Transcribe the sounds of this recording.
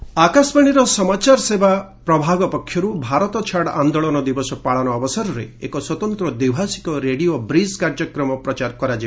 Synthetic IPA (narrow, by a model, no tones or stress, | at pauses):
akasbaɽ̃iɾɔsɔmat͡ʃaɾɔsebapɾɔbʱaɡɔpɔkʰjɔɾubʱaɾɔt̪ɔt͡ʃʰaɽand̪oɭɔnɔd̪ibɔsɔpaɭanɔːbɔsɔɾɔɾeḛkɔswɔt̪ɔnt̪ɾɔd̪ibʱasi̥kɔɾeɽiobɾiskaɾd͡ʒɔkɾɔmɔpɾɔt͡ʃaɾkɔɾad͡ʒib